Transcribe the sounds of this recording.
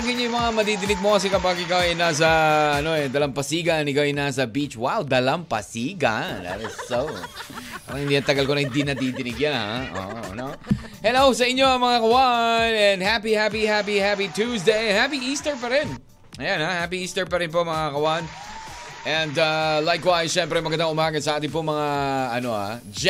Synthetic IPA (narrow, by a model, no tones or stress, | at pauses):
ɡɪɲojmɐŋamɐd̪id̪ɪnɪɡ̚mokɐs̬ɪkɐbaːɡɪkawɐjnas̬ɐɐno̞ɛd̪ɐlɐmpɐsiːɡɐnɪkaɐjnas̬ɐbit͡ʃwawd̪ɐlɐmpɐ̰siːɡɐ̰nða̰t̪ɪsːowpa̰ːɾaŋhɪnd̪iɐnt̪ɐɡɐlkonɐhɪ̃nd̪inɐd̪id̪ɪnɪɡjanha̰ʔo̰ːʔo̰no | hɛlows̬ɐʔɪɲːo̞ɐŋmɐŋakɐwanɛnd̪hapihap̬ihap̬ihapit̪ʰusd̪ejhapiʔist̪ɛɹpɐɾɪn | ʔɐjanhahap̬iʔiːst̪ɛɹpɐɾɪnpomɐŋakɐwan | ʔɛnd̪alajkwajsʃɛmpɾɛmɐɡɐnd̪aŋʔʊmaːɡɐsɐʔaːt̪ɪnpoŋmɐŋaɐno̞a̰ | d͡ʒ